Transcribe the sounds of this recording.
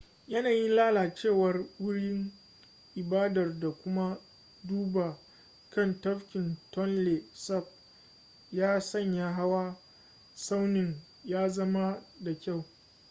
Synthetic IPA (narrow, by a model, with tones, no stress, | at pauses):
jɐ˦naː˨jɪ˦nlaː˦laː˨t͡ʃeː˦˨wɐ˨rwʊ˦ɽɪ˦ŋ | ʔɪ˨baː˦dɐ˨rda˨kʷʊ˦ma˦ | duː˦ba˨ | kɐ˦˨ntɐ˦ɸkʲɪ˨ntɔ˦nle˨sɐ˦˨b̚ | jaː˦sɐ˦˨ɲjaː˦ɦa˦wa˦ | sa˦wnɪ˨ŋ | jaː˦zɐ˦ma˦da˨kʲa˦˨w